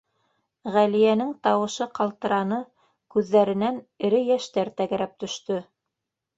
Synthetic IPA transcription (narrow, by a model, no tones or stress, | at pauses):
ʁælijænɘŋt̪ɑwɤ̆ʃɤqɑlˠt̪ɤ̆ɾɑnɤ | kʉðːæɾɘ̆nænɘ̆ɾɘjæʃt̪æɾt̪æɣɘ̆ɾæp̚t̪ɵ̆ʃt̪ɵ